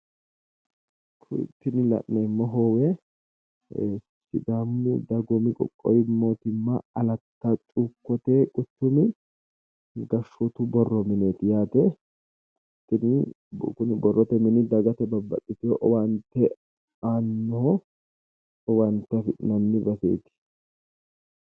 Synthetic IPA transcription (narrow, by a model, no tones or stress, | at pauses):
kʰʊt̪ːɪnɪlɐ̰ʔnɛmːɔɦoːwɛ | sɪd̪amːʊd̪ɐɡɔmɪkʼɔ̰kʼːɔ̰jɪmːoːt̪ɪmːɐɐlɐt̪ːɐt͡ʃʼukːɔt̪ɛkʼʊt̪ːʊmɪ | ɡɐʃɔt̪ʊbɔrːɔmɛneːt̪ɪjaːt̪ɛ | k | t̪ːɪnɪ | bkʊnɪbɔrːɔt̪ɛmɛnɪd̪ɐɡɐt̪ɛbɐbːɐ̰tʼːɪt̪ɪɔʔɔwɐnt̪ːɛ | aːnːɔɔ | ɔwɐnt̪ːɛfɪʔnɐnːɪbɐsḛːt̪ɪ̥